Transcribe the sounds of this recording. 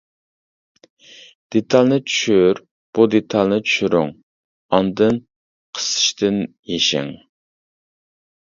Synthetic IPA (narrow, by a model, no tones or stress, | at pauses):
d̪̥et̪ʰɑlˠnɨt͡ʃʰy̥ʃyɾ | b̥ud̪et̪ʰɑlˠnɨt͡ʃʰy̥ʃyɾy̰ŋ | ɑnd̪ɨn | qʰə̥sɨ̥ʃt̪ɪn | jeʃɪ̰ŋ